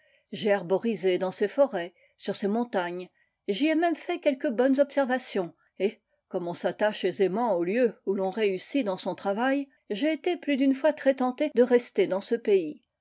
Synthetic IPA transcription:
ʒeaʁbɔʁized̪ɑ̃sefɔʁɛ | syʁsemɔ̃t̪aɲ | ʒiɛmɛmfɛkʲɛlkəbɔnzɔpsɛʁvasjɔ̃ | e | kɔmɔ̃sat̪aʃezemɑ̃oljøulɔ̃ʁeysid̪ɑ̃sɔ̃t̪χavaj | ʒeːt̪eplyd̪ynfwat̪χɛt̪ɑ̃t̪ed̪əʁɛst̪ed̪ɑ̃səpei

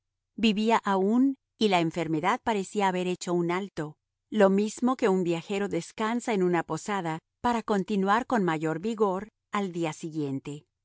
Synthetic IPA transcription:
biβiaʔaun | ilaeɱfe̞ɾme̞ðað̚paɾe̞siaːβe̞ɾe̞t͡ʃo̞unalt̪o̞ | lo̞mizmo̞ke̞umbjaxe̞ɾo̞ðe̞skansaenunapo̞saða | paɾako̞nt̪inwaɾko̞nmaʝo̞ɾβiɣo̞ɾ | ald̪iasiɣje̞nt̪e̞

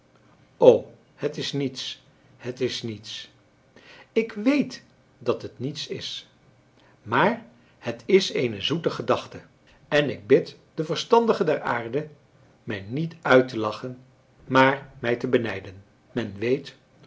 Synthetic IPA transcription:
ow | hətɪsnits | hətɪsnits | ɪkʋejt | dɑtɦətnitsɪs | maːɹ | hətɪsejnəzutəχədɑχtə | ɛnɪɡ̚bɪt | d̥əvəɹstɑndəχədɛɹa̰ːɹdə | mɛjnitœɥtəlɑχən | maːɹmɛjtəbənɛjdən | mɛnʋejt

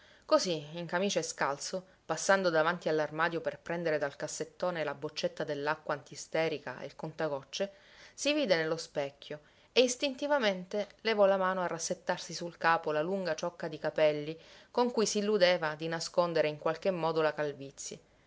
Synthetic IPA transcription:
koziiŋkamiːt͡ʃeeskalso | pasːand̪od̪avant̪ialːarmaːd̪joperpɾɛnd̪eɾed̪alkasːet̪ːoːnelabot͡ʃːet̪ːad̪elːakːwaːnt̪ist̪ɛːɾika̰ḛlkont̪aɡɔt͡ʃːe | siviːd̪enelːospɛkʰʲːjo | eist̪int̪ivament̪elevɔlamaːnoarːasːet̪ːarsisulkaːpolaluŋɡat͡ʃɔkːad̪ikapɛlːikoŋkujsiilːud̪eːvad̪inaskond̪eɾeiŋkwalk̟emːɔːd̪olakalvit̪sːji

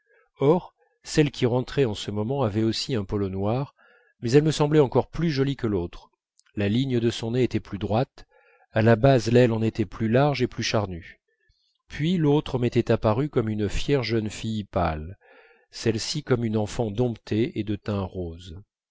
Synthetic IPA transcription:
ɔʁ | sɛlkʲiʁɑ̃t̪χɛɑ̃səmɔmɑ̃avɛosiɛ̃pɔlɔnwaʁ | mɛzɛlməsɑ̃blɛɑ̃kɔʁplyʒɔlikəlot̪χ | laliɲd̪əsɔ̃neet̪ɛplyd̪ʁwat̪ | alabazlɛlɑ̃net̪ɛplylaʁʒeplyʃaʁny | pʰɥilot̪χəmet̪ɛt̪apaʁykɔmynfjɛʁʒənfijpa̰l | sɛlsikɔmynɑ̃fɑ̃d̪ɔ̃pt̪ʰeed̪ət̪ɛ̃ʁoz

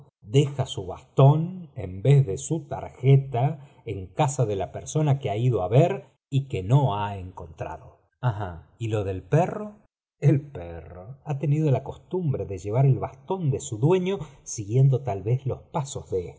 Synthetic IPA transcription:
d̪exasuβast̪o̞nḛmbezðe̞sut̪a̰ɾxet̪a | eŋkasaðe̞lapeɾso̞nakeaiðoaβeɾ | ikeno̞aeŋko̞nt̪ɾa̰ðo̞ | ahailo̞ðe̞lpero | elperoat̪e̞nið̞o̞lako̞st̪umbɾeðeʒe̞β̞aɾelβast̪o̞nd̪e̞suðwe̞ɲo̞siɣje̞nd̪ot̪alβe̞zlo̞spasozðe

